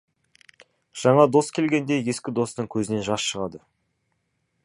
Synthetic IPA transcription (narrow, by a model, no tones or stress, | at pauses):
ʒ̥ɑɴɑd̪o̞skʲʰe̞lɡʲe̞nd̪e̞je̞skʲɪd̪o̞st̪əɴkʲʰɵzɪne̞ʒɑsʃəʁɑd̪ə